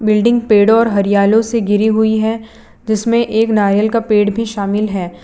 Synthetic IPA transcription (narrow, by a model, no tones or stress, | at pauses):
bɪlɖɪ̃ŋɡ̚peːɽɔːɾɦɐɾijaːlõseɡʱɪɾiɦʊiɦɛ | d͡ʒɪsmẽʔeːknaːɾjəlkapeːɽbʱiʃaːmɪlɦɛː